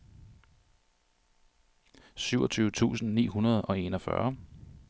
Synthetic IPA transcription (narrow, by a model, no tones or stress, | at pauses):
syʊɒt͡sʰyːʊət͡sʰṵːsn̩nḭːɦunɐð̞ˠɒ̽e̝nɒfɶ̰ɐ